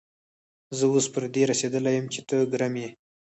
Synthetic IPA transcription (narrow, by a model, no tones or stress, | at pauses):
zəwospəɾd̪eɾased̪əlajəmt͡ʃet̪əɡɾame